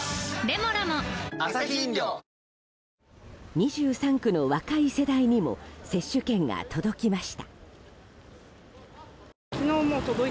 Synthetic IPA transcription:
ɾemoɾamoasakʲind̪ʲoː | ɲ̟iʑɨːsãŋkɯ̟no̞βakaise̞d̪aiɲ̟imo̞̰se̞ɕːɨkẽ̞ŋɡa̰t̪ʰo̞d̪o̞kʲimaɕi̥t̪a̰ | kʲinoːmot̪od̪oi

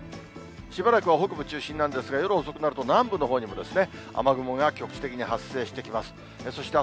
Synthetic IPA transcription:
ɕibaɾakɯβaɦokɯ̟bɯ̟t͡ɕɨːɕĩnːãnd̪e̞sɨɡajo̞ɾɯoso̞kɯ̟naɾɯ̟t̪o̞nãmbɯ̟no̞ɦo̞ːɲ̟imo̞d̪e̞sɨne̞a̰maɡɯ̟moŋɡakʲo̞kɯ̟̥ɕi̥t̪e̞kʲiɲ̟ihasːe̞ːɕi̥t̪e̞kʲimasɨ̥ | eso̞ɕi̥t̪e

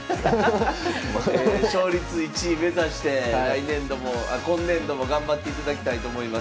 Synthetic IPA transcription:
ɕoːɾʲit͡sɨit͡ɕime̞zaɕi̥t̪e̞ɾainẽ̞nd̪o̞mo̞akõ̞nːẽ̞nd̪o̞mo̞ɡãmbat̪ːe̞it̪ad̪akʲi̥t̪ait̪o̞ːmo̞imas

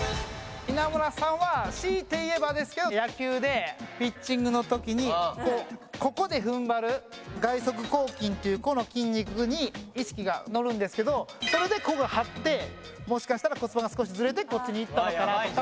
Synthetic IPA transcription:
inamoɾasãɰ̃βaɕiːt̪e̞ie̞bad̪e̞sɨ̥ke̞d̪o̞jakʲɨːd̪e̞pʲit͡ɕːĩŋɡɯ̟no̞t̪o̞kʲiɲ̟ikoːko̞ko̞d̪e̞ɸɯ̟̃mbaɾɯ̟ɡaiso̞k̬ɯ̟ko̞ːkʲĩnt̪e̞jɯ̟ko̞no̞kʲĩɲ̟ʲːikɯ̟ɲ̟iːɕi̥kʲiɡano̞ɾɯ̟̃nd̪e̞sɨ̥ke̞d̪o̞so̞ɾe̞d̪e̞ko̞ɡahat̪ːe̞ | mo̞ɕi̥kaɕi̥t̪aɾako̞t͡sɨbaɡasɨ̥ko̞ɕizɨɾe̞t̪̬e̞ko̞t͡ɕːiɲ̟iːt̪ːanokaɾa

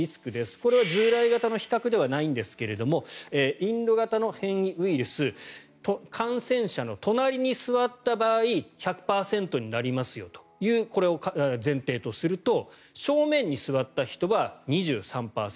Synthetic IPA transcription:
isɨ̥kɯ̟d̪e̞sɨ̥ko̞ɾe̞βaʑɨːɾaiɡat̪ano̞çi̥kakɯ̟d̪e̞βanaĩnd̪e̞sɨ̥ke̞ɾe̞d̪o̞mo̞eːĩnd̪o̞ɡat̪ano̞hẽ̞ɰ̃iɯ̟iɾɯ̟sɨ | t̪okʰãɰ̃sẽ̞ɰ̃ɕano̞t̪o̞naɾʲiɲ̟isɨβat̪ːabaːiçʲakɯ̟̥paːsẽ̞nt̪o̞ɲ̟inaɾʲimasɨjo̞̰t̪o̥jɯ̟ːko̞ɾe̞o̞kazẽ̞nt̪e̞ːt̪o̞sɨɾɯ̟t̪o̞ | ɕo̞ːmẽ̞ɲ̟ːisɨβat̪ːaçi̥t̪o̞βaɲ̟iʑɨ̰ːsãmpa̰ːsẽ

